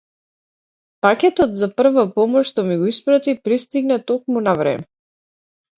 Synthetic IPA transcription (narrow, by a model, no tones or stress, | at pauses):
pakʲɛt̪ɔt̪zapr̩vapɔmɔʃt̪ɔmiɡɔispɾat̪ipɾist̪iɡnɛt̪ɔk̚munavɾɛ̰mɛ